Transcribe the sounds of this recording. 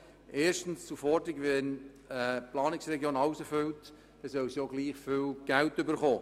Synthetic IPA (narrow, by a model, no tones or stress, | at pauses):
ʔeːɾʃtn̩st͡sufɔdɪɡʋɛn | əplɑːnɪksrɛɡjoːnɑʊsəfʏlt | d̥ɛsœwsjoɡ̥liːχfʏlɡ̥æltʏbəχoː